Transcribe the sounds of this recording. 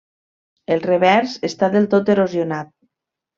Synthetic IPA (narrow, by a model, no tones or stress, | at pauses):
elˠreβɛɾzest̪aðelˠt̪ot̪eɾozijonat̪̚